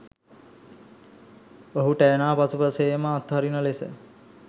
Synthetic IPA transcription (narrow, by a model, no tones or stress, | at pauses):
oɦuʈɛːnaːpasupəsejməːt̪ɦaɾinəlesə̰